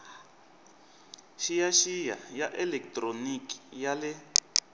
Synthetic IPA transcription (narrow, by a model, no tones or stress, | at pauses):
ʃijaʃija̰jaʔɛlɛk̚tʼroniki̥jalɛ